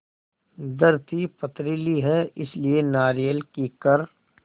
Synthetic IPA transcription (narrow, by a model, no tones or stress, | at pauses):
d̪ɐɾt̪ipɐt̪ɾiːliɦɛɪslienaːɾijəlkikɐɾ